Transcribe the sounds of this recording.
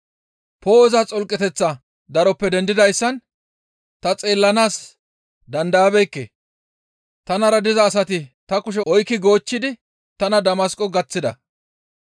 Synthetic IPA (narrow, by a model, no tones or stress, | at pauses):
poːɔzɐt͡sʼɔlkʼːɛt̪ɛt͡sːɐ | d̪ɐɾɔpːɛd̪ɛnd̪ɪd̪ɐjsːɐn | t̪ɐt͡sʼeːlːɐnaːs | d̪ɐnd̪aːbɛjkːḛ | t̪ɐnɐɾɐd̪ɪzɐːs̬ɐt̪ɪt̪ɐkʊʃ̬ɛʔɔjkːɪɡo̞ːt͡ʃːɪd̪ɪ | t̪ɐnɐd̪ɐmɐskʼːɔɡɐt͡sːɪd̪ɐ̰